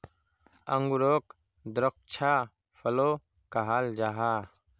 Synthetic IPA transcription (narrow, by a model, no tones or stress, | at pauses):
əŋɡuɾoːk | d̪ɾək̚t͡ʃʰaː | pʰɐloː | kaɦaːld͡ʒaːɦaː